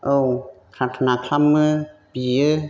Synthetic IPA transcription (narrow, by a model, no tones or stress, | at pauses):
ʔokʰɾat̪ʰːanakʰlamːɯːpiɯ